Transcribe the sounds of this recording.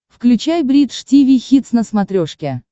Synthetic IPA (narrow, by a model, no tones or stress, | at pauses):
fklʲʉt͡ɕajbɾʲit̪ʂtʲivʲijxʲit̪snəsmɐt̪ɾʲoʂkʲɪ